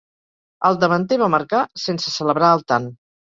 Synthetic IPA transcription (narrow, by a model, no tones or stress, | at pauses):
əlˠd̪əβənt̪eβaməɾkasensəsələβɾaəlˠt̪an